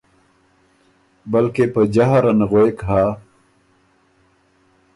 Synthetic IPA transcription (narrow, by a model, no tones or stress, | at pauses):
bɐlkepəd͡ʑaɦaɾɐnɣoekɦaː